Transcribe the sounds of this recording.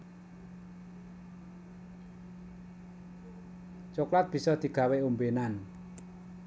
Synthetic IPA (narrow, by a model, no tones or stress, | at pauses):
t͡ʃoklat̪̚b̥i̤sɔd̪̥i̤ɡ̥a̤weumbenan